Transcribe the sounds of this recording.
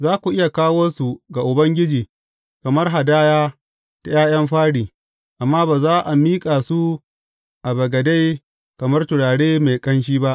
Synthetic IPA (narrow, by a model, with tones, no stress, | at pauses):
zaː˦kʷu˨ʔɪ˦ja˨kaː˦woː˦su˨ɡa˨ʔʊ˨bɐ˦ŋɡʲɪ˦d͡ʒiː˨ | kɐ˨mɐ˦rɦa˨daː˦jaː˦ | ta˨jaː˦j̰ɐ˦mɸaː˦ɽiː˨ | ʔa˨mːaː˦baː˨zaː˦ʔa˨miː˦kʼa˨su˦ | ʔa˨bɐ˨ɡɐ˨da˦j | kɐ˨mɐ˦rtʊ˨ɽaː˨ɽeː˦me˨kʼɐ˦nʃ̬iː˦ba˦ʔ